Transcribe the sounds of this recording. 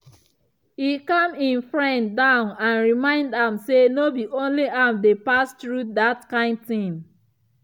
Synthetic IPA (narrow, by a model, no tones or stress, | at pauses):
hikʌ̃mĩnfɹɛ̃ndãʊ̃nãnɹimãɪ̃ndãmsenobiʔõnliʔamdepastɹuðatkãɪ̃nd̚θĩm